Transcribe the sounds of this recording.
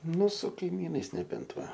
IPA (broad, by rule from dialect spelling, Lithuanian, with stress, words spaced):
ˈnʊ sʊ kɐɪˈmʲiːnɐɪs nʲɛˈbʲɛnt ˈʋɐ